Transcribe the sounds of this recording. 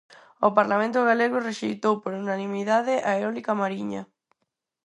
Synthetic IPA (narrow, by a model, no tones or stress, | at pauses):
opaɾlamẽnt̪ʊɣ̞aleɣ̞ʊreʃejt̪owpoɾunanĩmiðaðɪʔaeɾɔlikamaɾiɲɐ̰